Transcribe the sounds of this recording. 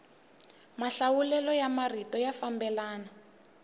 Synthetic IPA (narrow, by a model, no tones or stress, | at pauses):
maɬawulɛlɔjamaritɔjafambɛlaːna